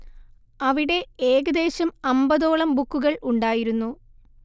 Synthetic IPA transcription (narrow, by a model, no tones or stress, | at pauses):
ɐʋiɽe̞eːɣɐd̪e̞ːɕɐmɐmbɐðo̞ːɭɐmbukːuɣɐɭuɳɖaːjiɾunːu